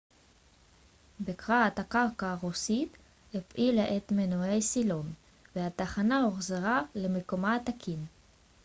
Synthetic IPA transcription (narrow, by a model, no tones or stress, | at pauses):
bekʁaat̪hakaʁkaːʁusit̪ | hepʔilaʔet̪menoejsilon | vehat̪aχanaoχzeʁale̞meko̞mat̪akʰin